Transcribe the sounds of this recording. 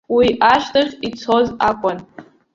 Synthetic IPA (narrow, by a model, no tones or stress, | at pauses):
wiʔaʃʷtʰaχʲit͡sʰo̞zakʷʼʊn